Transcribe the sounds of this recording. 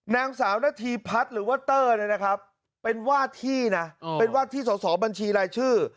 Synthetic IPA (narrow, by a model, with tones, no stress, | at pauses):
naː˧ŋsaː˩˦wnaː˥˩t̪ʰiː˧pʰa˦˥t̪̚ɾɯː˩˦wa˥˩t̪ːɤː˥˩ni˥˩na˦˥kʰɾa˦˥p̚ː | e˧nwaː˥˩t̪ʰiː˥˩na˦˥˧pe˧nwaː˥˩t̪ʰiː˥˩sɔː˩˦sɔː˩˦ba˧nt͡ɕʰiː˧ɾaː˧jt͡ɕʰɯː˥˩